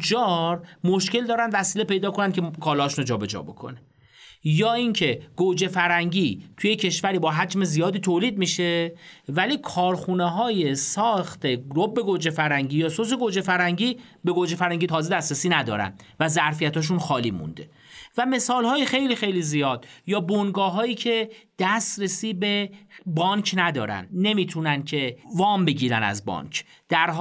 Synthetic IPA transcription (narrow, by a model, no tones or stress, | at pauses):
d͡ʒɒːɾmoʃce̞ld̪ɒːɾænd̪væsiːlepe̞jd̪ɒːkʰo̞næncʰe̞kʰɒːlɒːʃunod͡ʒɒːbe̞d͡ʒɒ̰ːbo̞̰kʰo̞̰ne | jɒːiŋcʰe̞ɡ̥od͡ʒe̞fæɾhæŋɟiːt̪ʰujecʰe̞ʃvæɾiːbɒːɦæd͡ʒme̞zijɒːd̪iːt̪ʰoːliːd̪̚miːʃe̞væliːkʰɒːɾxuneɦɒːje̞sɒːxt̪ʰe̞ɡɾobːe̞ɡod͡ʒefæɾhæŋɟiːjɒːsos̬eɡod͡ʒe̞fæɾhæŋɟiː | be̞ɡod͡ʒefæɾhæŋɟiːt̪ʰɒːze̞d̪æst̪ɾesiːnæd̪ɒ̰ːɾæ̰nd̪ | væzæɾfijæt̪hɒːʃ̬unxɒːliːmṵnd̪e̞ | væme̞sɒːlhɒːjexe̞jliːxe̞jliːzijɒːd̪̥jɒːbonɡɒːɦɒːjiːcʰe̞d̪̥æst̪ɾesiːbebɒːncʰnæd̪ɒːɾæ̰nd̪ne̞miːt̪ʰunæncʰe̞vɒːmbe̞ɟiːɾæ̰næ̰zbɒ̰ːncʰ | d̪̥æɾɦ